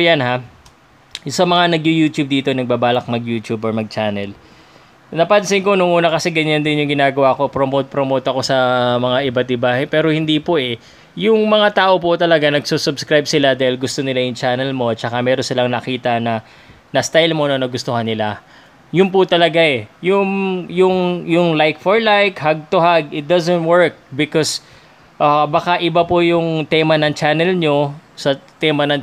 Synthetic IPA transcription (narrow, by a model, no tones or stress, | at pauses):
janha | sɐmɐŋanɐɡjujuːt̪jub̚d̪iːt̪o̞nɐɡ̚baːbaːlɐk̚mɐɡjuːt̪uboɹmɐɡ̚t͡ʃaːnɛl | nɐpɐnsɪŋko̞nʊŋʔuːnɐkɐsɛɡɐɲand̪ɪnjʊŋɡɪnaːɡɐwako̞pɾomot̪̚pɾomot̪ɐko̞sɐmɐŋaʔɪbat̪̚ʔɪbapɛːɾo̞hɪnd̪ipoʔɛ | jʊŋmɐŋat̪aːʔo̞pʊt̪ɐlɐɡanɐɡ̚susʊbskɾajb̚sɪlad̪aːhɪlɡʊst̪o̞nɪlajʊŋt͡ʃaːnɛlmo̞ɐt̪̚t͡ʃɐkamɛːɾonsɪlaŋnɐkiːt̪ɐnɐ | nɐst̪ajlmo̞nɐnɐɡʊst̪ohanːɪla | jʊnpʊt̪ɐlɐɡaɛjʊŋjʊŋjʊŋlajk̚foɹlajkhaɡ̚t̪ʊɦaɡ̚ʔɪt̪̚d̪ɐzɛnt̪̚wɛɹk̚bɪkɔs | ʔɐbɐkaʔɪbapojʊŋt̪ɛmɐnɐŋt͡ʃaːnɛlɲo̞sɐt̪ɛmɐnɐŋ